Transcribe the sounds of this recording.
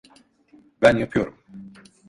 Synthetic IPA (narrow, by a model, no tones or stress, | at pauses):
bænjapʰɯjo̞ɾum